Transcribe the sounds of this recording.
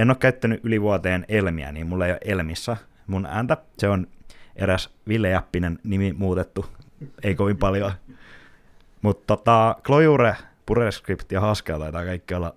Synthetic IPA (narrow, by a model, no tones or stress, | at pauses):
enoːkkæyt̪ːænyʔʔyliʋuɑt̪eːnelmiæ̰niːmmulːeijo̰ʔelmisːæmunæ̰ːnt̪æseonʔeɾæsʋilːejɑpːinennimimuːt̪et̪ːu | eikoʋimpɑljoɑ | mut̪tːot̪ɑklojuɾepureskript̪jɑhɑskelt̪ɑit̪ɑːkɑikːiolːɑ